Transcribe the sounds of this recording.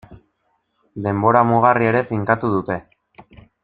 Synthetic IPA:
d̪e̞mbo̞ɾamuɣ̞arie̞ɾe̞fiŋkat̪uð̞ut̪e̞

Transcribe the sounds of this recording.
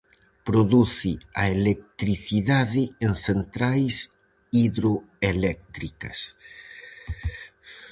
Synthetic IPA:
pɾoðuθɪɐelek̚t̪ɾiθiðaðɪenθent̪ɾajs | iðɾoelɛk̚t̪ɾikɐ̰s

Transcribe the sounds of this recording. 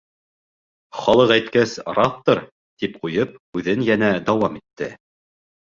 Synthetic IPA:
χɑlˠɤqæjt̪kæsɾɑθt̪ːoɾ | t̪ip̚qujɤp̚hʉðɘnjænæd̪ɑwɑmit̪ːɘ

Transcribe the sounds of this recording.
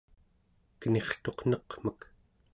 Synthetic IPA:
kəne̞χt̪o̞qn̥ʌqm̥ək

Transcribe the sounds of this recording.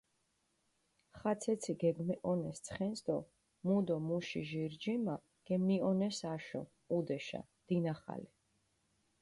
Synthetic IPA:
χat̪sʰɛt̪sʰiɡɛɡmɛʔɔnɛst̪sʰχɛnsd̪ɔ | mud̪ɔmuʃiʒiɾd͡ʒima | ɡ̥ɛmiɔnɛsaʃɔ̰ | ud̪ɛʃa̰ | d̪̥inaχa̰li

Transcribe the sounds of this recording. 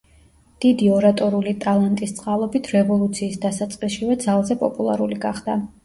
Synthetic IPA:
d̪̥id̪iɔɾat̪ʼɔɾulit̪ʼalˠant̪ʼist̪sʼqʼalˠɔbit̪ʰɾɛvɔlˠut̪sʰiːsd̪asat̪sʼqʼisʃivɛd̪zalˠzɛpʼɔ̰pʼulˠa̰ɾuliɡaχd̪̥a

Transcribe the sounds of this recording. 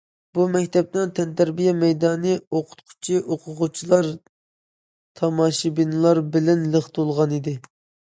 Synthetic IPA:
b̥umɛkʲt̪ʰɛp̚t̪ɛnt̪ʰɛnt̪ɛɾbijɛmɛjd̪ɑːnɨoqʰʊ̥t̪̚qʰʊ̥t͡ʃʰiʔoqʰʊʁʊt͡ʃʰilˠɑɾ | t̪ʰɑmɑːʃibinɨlˠɑɾbɪlɛnləχt̪olˠʁɑnid̪ɪ

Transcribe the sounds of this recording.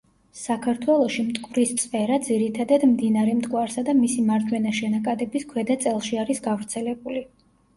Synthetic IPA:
sakʰaɾt̪ʰwɛlˠɔʃimt̪ʼkʼuvɾist̪sʼpʼɛɾad̪ziɾit̪ʰad̪ad̪md̪inaɾɛmt̪ʼkʼwaɾsad̪amisimaɾd͡ʒ̪wɛnaʃɛnakʼad̪ɛbiskʰwɛd̪at̪sʼɛlˠʃiaɾisɡavɾt̪sʰɛlɛbuli

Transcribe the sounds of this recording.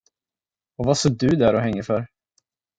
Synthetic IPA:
ɔvasoːɖɵd̪æɾɔɦɛŋːəfœɾ

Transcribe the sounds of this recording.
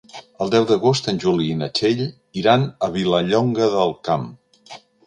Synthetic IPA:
əlˠd̪ɛwðəɣost̪ənʲʒuliːnət͡ʃeʎ | iɾanəβiləʎɔŋɡəðəlˠkam

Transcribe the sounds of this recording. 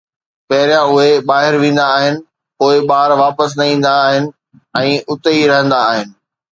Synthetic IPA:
pɐɦɪɾjãʊɦeɓaːɦɪɾʋĩːn̆d̪aːɦɪnɪ̆ | poːɪɓaːɾʋaːpəs̬nɐĩːn̆d̪aːɦɪnɪ̆ | ɛ̃ːʔʊt̪əiɾɐɦə̃nd̪aːɦɪnɪ̆

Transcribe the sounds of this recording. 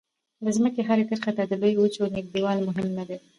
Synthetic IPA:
d̪əzməkeɦaɾekəɾxat̪ad̪əlojut͡ʃonɪɡ̚d̪iwɑlmʊɦɪmnad̪e

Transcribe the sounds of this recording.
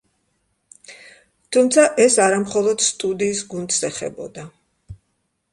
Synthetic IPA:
t̪ʰumt̪sʰaʔɛsaɾamχɔlˠɔd̪̥st̪ʼud̪iːsɡund̪sɛχɛ̰bɔ̰d̪a

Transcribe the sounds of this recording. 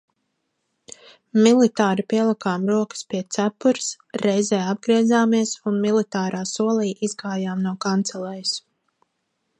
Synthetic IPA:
milit̪aːɾipiɛlˠikaːmɾuɔkə̥spiɛt̪sæpuɾs | ɾɛjzɛːab̚ɡɾiɛzaːmiɛsunmilit̪aːɾʔaːsuɔlˠiːʔizɡaːjaːmnuɔkant̪sɛlɛjs

